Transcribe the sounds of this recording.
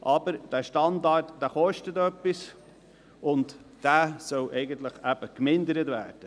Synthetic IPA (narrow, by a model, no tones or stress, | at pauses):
ʔɑbəɾd̥æːʃtɑndɑrtd̥æːχɔʃtət̪œpːis | ʊntd̥æːsœlʔɛɪɡənt̪ləχæb̥əkmɪndəɾətvæ̰ːɾd̥ə